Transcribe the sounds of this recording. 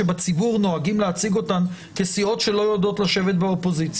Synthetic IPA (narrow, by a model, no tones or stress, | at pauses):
ebat͡sibuʁno̞aɡimleat͡siɡo̞tan | kesio̞tʃe̞lo̞jodo̞tlaʃe̞vet̪beopo̞zit͡s